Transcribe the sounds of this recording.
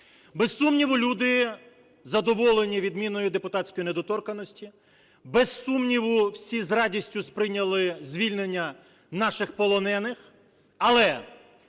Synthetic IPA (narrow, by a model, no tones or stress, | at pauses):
besːumnʲiʋʊlʲud̪ɪ | zɐd̪ɔʋɔlˠenʲiʋʲid̪mʲinɔjʊd̪epʊt̪ɑtʲt͡sʲkɔjined̪ɔt̪ɔrkɐnɔsʲtʲi | besːumnʲiʋʊwsʲizrɑdʲisʲtʲʊspɾɪnʲɐlˠɪzʲʋʲilʲne̞nʲːɐ | nɑʃɪxpɔlˠɔnɛnɪx | ɐlˠɛ